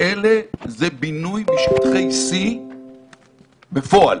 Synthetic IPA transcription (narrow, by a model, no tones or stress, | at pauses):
elezebinujbiʃpt̪χejsi | befo̞al